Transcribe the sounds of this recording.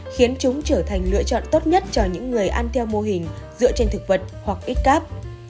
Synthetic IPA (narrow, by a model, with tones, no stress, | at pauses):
xi˨˦ənt͡ɕʊ˨˦ŋ͡mt͡ɕəː˧˩t̪ʰa˨˩jŋ̟lɨ̰˧ət͡ɕɔ̰˧˨nt̪o˦˥t̚ɲə˦˥t̚t͡ɕɔ˧ɲɨ̰˧˥ŋːɨ˨˩əjʔaː˧nt̪ʰɛ˧wmo˧ɦï˨˩ŋ̟zɨ̰˧˨t͡ɕe˧nt̪ʰɨ˨˩k̚və˨˩t̚hwa˨˩k̚ʔi˦˥t̚kaː˦˥p̚